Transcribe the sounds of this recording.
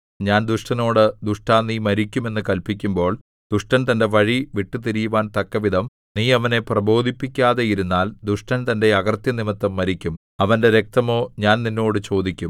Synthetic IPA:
ɲaːnd̪uʂʈɐno̞ːɽɨd̪uʂʈaːnːimɐɾikʲːume̞nːɨkɐlpikʲːumbo̞ːɭ | d̪uʂʈɐnt̪ɐnde̞ʋɐɻiʋiʈːɨt̪iɾijuʋaːnt̪ɐkːɐʋid̪ʱɐm | niːɐʋɐne̞prɐbo̞ːd̪ʱipːikʲːaːðejiɾunːaːld̪uʂʈɐnt̪ɐnde̞ɐɡɐrt̪jɐnimɐt̪ːɐmːɐɾikʲːum | ɐʋɐnde̞ɾe̞k̚t̪ɐmo̞ːɲaːnninːo̞ːɽɨt͡ɕo̞ːd̪ikʲːum

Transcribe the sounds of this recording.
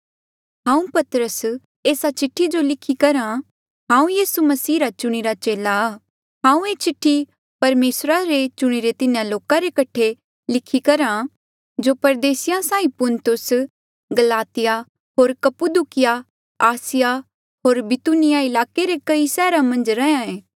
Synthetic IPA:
ɦãːũpɐt̪ɾəs | eːsat͡ʃɪʈʰːid͡ʒolɪkʰikɐɾã | ɦãːũjiːsumɐsiːɾat͡ʃʊɽ̃iɾat͡ʃeːlaaː | ɦãːũeːt͡ʃɪʈʰːi | pɐɾmeːsɾaɾet͡ʃʊɽ̃iɾet̪ɪnjãloːkaɾekɐʈʰe | lɪkʰːikɐɾã | d͡ʒopɐɾd̪eːsɪjãsãːĩpʊnt̪ʊs | ɡɐlaːt̪ɪja | ɦoːɾkɐpud̪ukɪja | aːsɪja | ɦoːɾbɪt̪unɪjaɪlaːkeɾekɐisɛːɾãmɐ̃nd͡ʒɾɛãẽː

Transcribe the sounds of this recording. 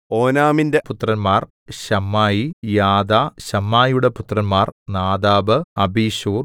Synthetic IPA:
oːnaːminde̞put̪ːrɐnmaːr | ɕɐmːaːjijaːd̪aːɕɐmːaːjuɽe̞put̪ːrɐnmaːrnaːd̪aːbɨɐbiːɕuːr

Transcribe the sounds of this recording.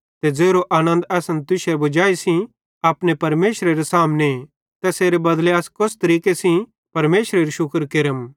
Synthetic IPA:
t̪ɛd͡zeːɾoʔaːnə̃nd̪ɛːsə̃nt̪ʊʃɛbʊd͡ʒaːisĩ | aːpnepɐɾmeːʃɾeɾesaːmne | t̪ɛseːɾebɐd̪leɐskʊst̪ɐɾiːkesĩ | pɐɾmeːʃɾeɾiʃʊkɾkɪɾəm

